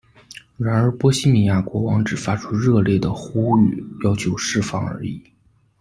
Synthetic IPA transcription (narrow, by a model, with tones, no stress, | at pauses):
ɻa˧˥nə˞˧˥pwɔ˥ɕi˥mi˨˩ja˥˩kwɔ˧˥wɑ˧˥ŋʈ͡ʂɻ̩˨˩fa˥ʈ͡ʂʰu˥ɻɤ˥˧ljɛ˥˩d̪ə˩xu˥y˥˩jɑ˥ʊt͡ɕʰjo˧˥ʊʂɻ̩˥˧fɑ˥˩ŋə̰˞˧˥i˨˩˦